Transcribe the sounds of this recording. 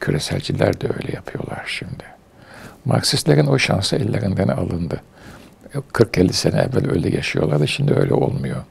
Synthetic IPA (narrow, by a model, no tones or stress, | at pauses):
cʰyɾɛsælʲd͡ʒilʲæɾd̪ɛø̞̰jlʲɛjapʰɯjo̞̰lˠaɾ̥ʃimd̪ɪ | ma̰ksislʲeɾinoʃansɯɛlʲːeɾind̪enialˠɯnd̪ɯ | kʰɯɾk̚ɟelʲːisenɛɛvːælʲø̰jlʲːɛjaʃɯjo̞lˠaɾd̪aʃimd̪iøjlʲɛ̰ʔo̰lˠmujo̞